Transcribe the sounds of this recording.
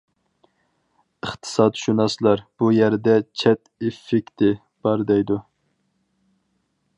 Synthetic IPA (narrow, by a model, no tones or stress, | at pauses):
əχt̪ʰɨ̥sɑd̪ʃunɑslˠɑɾb̥ujæɾd̪ɛt͡ʃʰɛt̪ɪfːɪkʲt̪ʰɪ | b̥ɑɾd̪ɛjd̪u